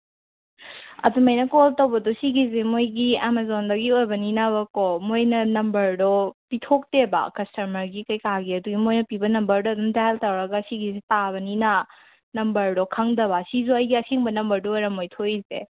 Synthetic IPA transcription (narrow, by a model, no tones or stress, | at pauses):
ɐ̰dumɐjnɐkoɔltɐwbɐdusiɡizemojɡiamazondɐɡiojbɐninabɐkomojnɐnɐmbɐɾdɔpitʰok̚tebɐ̰kɐstɐmɐɾɡikɐjkaɡiɐduɡimojnɐpibɐnɐmbɐɾdɔɐdumdaltɐwɾɐɡɐsiɡizetaβɐnina | nɐmbɐɾdɔkʰɐŋdɐβɐsizuɐjɡiɐsiŋbɐnɐmbɐɾdɔojɾɐmojtʰojzḛ